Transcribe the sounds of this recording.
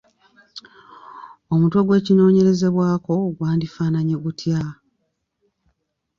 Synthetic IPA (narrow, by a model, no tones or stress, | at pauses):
o̞mutwoɡwe̞ːcino̞ːɲe̞ɾe̞ze̞βwaːko̞ɡwaːndifaːnaɲeɡutʰja